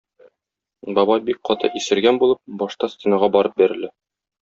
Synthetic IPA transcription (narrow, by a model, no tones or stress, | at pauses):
bɒbɑjbik̚qɒt̪ɤ̰ʔisɘ̆ɾɡænbulˠɤp̚bɒʃt̪ɑst̪ʲenɑʁɑbɒɾɤp̚bæɾɘ̆lɘ